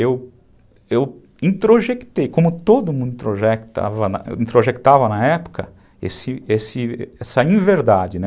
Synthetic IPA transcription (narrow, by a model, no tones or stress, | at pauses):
ew | ew | ĩt̪ɾoʒekt̪ejkõmʊt̪od̪ʊmũnd̪ĩt̪ɾoʒɛkt̪a̰vɐnɐ̰ĩt̪ɾoʒekt̪avɐnɐɛpʊ̥kɐ | ḛsɪesɪɛsɐĩveɾd̪ad͡ʒɪnɛ